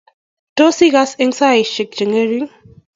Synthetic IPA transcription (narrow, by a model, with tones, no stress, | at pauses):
to˦si˦ɣa˦sɪ˦ŋsa˦i˨ʃɪ˨k̚d͡ʒə˨ŋe˦ɾi˦ŋ